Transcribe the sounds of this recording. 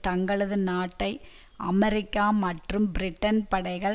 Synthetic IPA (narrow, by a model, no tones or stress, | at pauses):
t̪ɐŋɡɐɭɐðɯnaːʈːɐɪ | ʔɐmɛɾɪkːaːmɐʈrɯmbɪɾɪʈːɐnpɐɽɐɪɣɐɭ